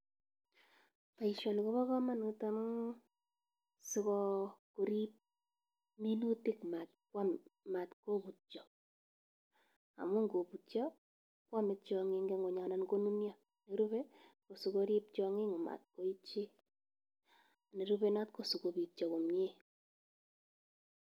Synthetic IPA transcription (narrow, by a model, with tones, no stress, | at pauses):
pa˨i˨ʃɔ˨ni˨ko˦βɔ˦kɔ˦ma˦n˨u˦ta˦m˦ | su˧kɔ˦ko˨ɾi˦p̚ | mi˦nu˦ti˦kma˨t̚kwa˦mma˨tko˦bu˨t͡ʃɔ˨ | a̰˨mʊ˦ŋɡo˨pu˨t͡ʃjɔ˦ | kwa˦mɪ˦t̚t͡ʃɔ˨ŋɪ˦ŋɡɛ˦ŋɡo˨ɲa˨na˦nko˦nu˦mja˦ | ne˨ɾu˦βɛ˦ko˨su˨ko˧ɾi˦p̚t͡ʃɔ˧ŋɪ˦ŋo˨ma̰˨t̚ko˦i˦t͡ʃe˦ | a˨ne˨ɾu˦βɛ˦na˦t̚ko˨su˨ko˨bi˨t͡ʃɔ˨ko˨mje˦